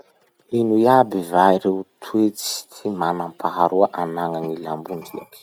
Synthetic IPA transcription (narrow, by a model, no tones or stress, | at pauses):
inuiabivaiɾewt̪ʰuet͡si̥t̪ʰimanampʰaɦaɾuaʔanaŋanilambundia̰ki̥